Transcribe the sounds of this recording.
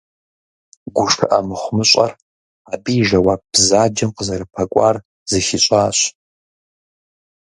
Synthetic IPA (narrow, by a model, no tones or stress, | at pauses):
ɡʷʊʂtʰa̰ʔamɨχʷmɨɕʷʼa̰r | abijʒɐwap̚bzaːd͡ʒɐmqəzɐɾɨpʰɐkʷʼar | zɨʃiɕʷʼaːɕ